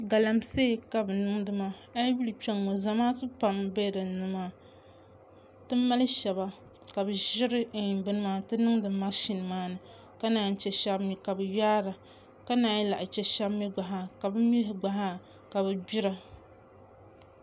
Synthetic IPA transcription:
ɡa˨la˨mse˦˨ka˨bɨ˨nɨ˦ŋdɨ˦ma˦a˦bi˦lɨ˨t͡ʃɛ˦ŋːo˨za˨maː˦tɨ˦pa˨mbe˦dɨ˨nɨ˦maː˦ | tɨ˦ma˦lɨ˦ʃɛ˨ba˨ | ka˨bɨ˨ʒɪ˦ɾɨ˦i˨bɨ˦nɨ˦maː˦tɨ˦nɨ˦ŋdɨ˨mː˦a˦ʃi˨n˨maː˦nɨ˨ | ka˦naː˨n̩˦t͡ʃɛ˨ʃa˦bmi˨ka˨bɨ˨jaː˦ɾa˨ | ka˦naː˨ɲi˦la˨ʔt͡ʃɛ˦ʃa˦bmi˦ɡ͡ba˨ɦa˨ka˨bɨ˦mi˦lɦɪ˨ɡ͡ba˨ɦa˦ | ka˨bɨ˨bi˦ɾa˦

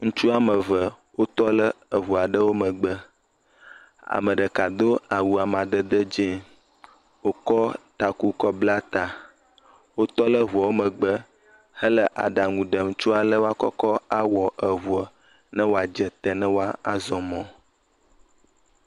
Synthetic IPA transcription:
ŋũ˦t͡ʃu˦a˦mə˨və˨ | wo˦t̪ɔ˦lə˦ə˨ɦu˨a˨ɖə˦wo˦mə˨ɡ͡bə˦ | a̰˨mə˨ɖə˨ka˨d̪o˦a˨wu˨a˨mã˨d̪ə˦d̪ə˦d͡ʒɛ̃˦ | wo˦kɔ˦t̪a˨ku˦kɔ˦bla˦t̪a˨ | wo˦t̪ɔ˦lə˦ɦu˨a˨wo˦mə̃˨ɡ͡bə˦ | hə˦lə˦ʔa̰˨ɖa˨ŋũ˨ɖə˨m̩˦t͡ʃu˦a˨lə˦wo˦a˦kɔ̰˦kɔ˦a˦wɔ˨ʔə˨βu˨a˨ | nə̃˦wo˦a˨d͡ʒə˨t̪ə˨nə̃˦wo˦a˦a˨zɔ˨mɔ̃˨

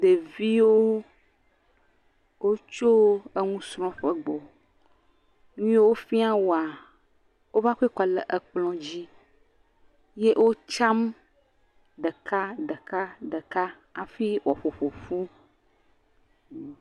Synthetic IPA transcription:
d̪e˨vi˦wo˦ | wʔo˦t͡ʃo˦e˦ŋũ˦sɾ̃ɔ̃˦ɸə˦ɡ͡bɔ˨ | nũ˦wo˦fi˦a˦wo˨a˨ | wo˦va˦xkɔ˨lə̰˨ʔə˨k͡plɔ̃˦d͡ʑi˦ | je˦ʔwʔo˦t͡ʃa˦m | ɖə˨ka˦ɖə˨ka˦ɖə˨ka˦ | a˨fi˦wɔ˨ɸo˨ɸo˨fu˦

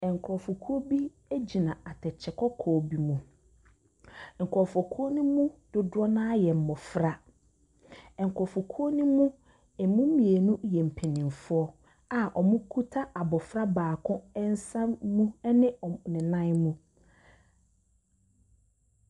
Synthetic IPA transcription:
ɛ˨ŋ̩˨kʰɾɔ˨fʊ˨kʰu˦o˦bi˦ | æ˦d͡ʑi˨nã˨a˨tʰɛ˨t͡ɕʰɛ˨kʰɔ˦kʰɔː˨˦bi˦mũ˦ | ŋ̩˨kʰɾɔ˨fɔ˨kʰu˦o˦nʊ̃˦mũ˦d̥ʊ˨dʊ˦ɔ˦nã˦jɛ˨m̩˨mɔ˨fɾa˦ | ɛ˨ŋ̩˨kʰɔ˨fʊ˨kʰu˦o˦nũ˦mũ˦ | ɛ˨mʊ̃˦mĩ˨e˨nũ˦jɛ˨m̩˨pʰe˨nĩ˨m˨fʊ˦ɔ˦ | a˨ʔɔ˨mʊ̃˦kʰu˦tʰa˦ʔa˨bɔ˨fɾa˦baː˨kʰʊ̃˦ɛ˦n̩˦sã˦mũ˦nɪ̃˦ɔ˨nɪ̃˨nã˦nmũ˦

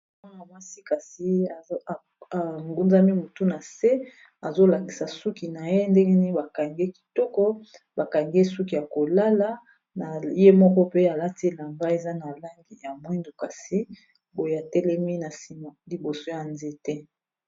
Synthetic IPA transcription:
a˦na˨ma˦si˦ka˨si˦˨ | a˨ŋɡu˦nza˦mi˦mo˨tu˦na˨se˦ | a˨zo˦la˨ŋɡi˨sa˨su˦ki˨na˨je˦ndɛ˦ŋɡe˦ni˦ba˨ka˨ŋɡe˦ki̥˨tɔ˦kɔ˦ | ba˨ka˨ŋɡe˦su˦ki˨ja˨ko˨la˦la˨ | na˨je˦mɔ˦kɔ˦pe˦a˨la˦ti˦e˦˨la˨ŋɡa˦e˨za˦na˨la˦ŋɡi˨ja˨mwɛ˦ndu˨ka˨si˦ | bo˨je˨a˨tɛ˦lɛ˦mi˦na˨si˨ma˨li˨bo˨so˦ja˨nze˦tɛ˦

